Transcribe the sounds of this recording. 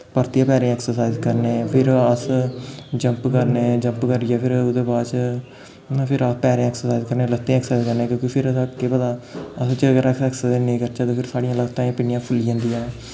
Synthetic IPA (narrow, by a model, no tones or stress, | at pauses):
pəɾt̪ijãːpɛːɾẽɛksəɾsaːizkəɾneːpʰɪɾəs | d͡ʒəmpkəɾneːd͡ʒəmpkəɾɪjaːpʰɪɾʊd̪eːbaːt͡ʃː | pʰɪɾəpɛːɾẽːɛːksəɾsaːizkəɾneːlət̪ːẽɛːksəaːizkəɾnẽːkjõːkipʰɪɾəsãkepəd̪aːəst͡ʃəɡəɾɛksɛːksənẽːkəɾt͡ʃaːt̪õːpʰɪɾsaːɽijãːləɡt̪ãːẽːpɪnɪjãːpʰʊliãːnd̪ijãː